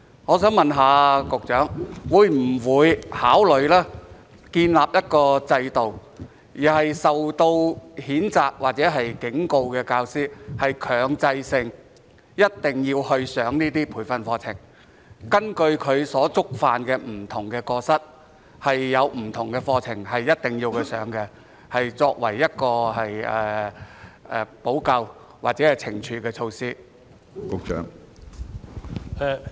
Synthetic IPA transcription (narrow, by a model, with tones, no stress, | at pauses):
ŋɔː˨˧sœː˨˥ŋmɐ˨nɦaː˨˧kʊ˨k̚t͡ʃœː˨˥ŋwuː˨˧jm̩˨˩wuː˨˧jhaː˨˥wlɵ˨˧ɥlɛː˥ | kiː˧nlaː˨p̚jɐ˥t̚kɔː˧t͡sɐ˧jt̪o˨w | jiː˨˩hɐ˨jsɐ˨wt̪o˧whiː˨˥nt͡saː˨k̚waː˨k̚t͡sɛː˨˥ɦɐ˨jkɪ˨˥ŋko˧wkɛː˧kaː˧wsiː˥hɐ˨jkʰœː˨˩ŋt͡sɐ˧jsɪ˧ŋ | jɐ˥t̚t̪ɪ˨ŋjiː˧whɵ˧ɥsœː˨˥ŋniː˥t̪iː˥pʰuː˨˧˩jfɐ˧nfɔː˧t͡sʰɪ̰˨˩ŋ | kɐ˥nkɵ˧ɥkʰɵ˨˧ɥsɔː˨˥t͡sʊ˥k̚faː˨nkɛː˧m̩˨˩t̪ʰʊ˨˩ŋkɛː˧kɔː˧sɐ˥t̚ | hɐ˨jːɐ˨˧wm̩˨˩t̪ʰʊ˨˩ŋkɛ˧fɔː˧t͡sʰɪ˨˩ŋɦɐ˨jːɐ˥t̚t̪ɪ˨ŋjiː˧wkʰɵ˧ɥsœː˨˥ŋkɛ˧ | hɐ˨jt͡sɔː˧k̚wɐ˨˩jːɐ˥t̚kɔː˧hɐ˨jɛ˨ | ɛ˨˧po˨˥wkɐ˧w | wʔaː˨k̚t͡sɛː˨˥hɐ˨jt͡sʰɪ˨˩ŋt͡ʃʰyː˨˧kɛː˧t͡ʃʰo˧wsiː˥ | kʊ˧k̚t͡ʃœ̰ː˨˥ŋ | ɛ˨˧